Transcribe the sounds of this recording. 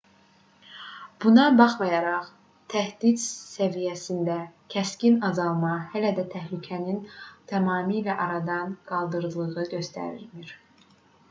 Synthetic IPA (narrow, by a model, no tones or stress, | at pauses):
b̥unɑbɑχmɑjɑɾɑχ | t̪ʰæhd̪id̪sævijæsind̪æcʰæscinɑzɑlˠmɑhælæd̪æt̪ʰæhlycʰænint̪ʰæmɑːmilæʔɑɾɑd̪ɑnɡ̥ɑlˠd̪ɯɾlˠɯʁɯɟø̞st̪æ̰ɾiɾmiɾ̥